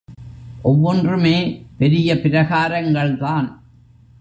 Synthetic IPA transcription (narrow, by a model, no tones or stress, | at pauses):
ʔɔʋːɔndrɯmeːpɛɾɪjɐpɪɾɐɣaːɾɐŋɡɐɭt̪aːn